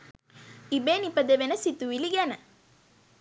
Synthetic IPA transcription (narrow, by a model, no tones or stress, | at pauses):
ibenipɐd̪eʋenɐsit̪uʋiliɡɛnɐ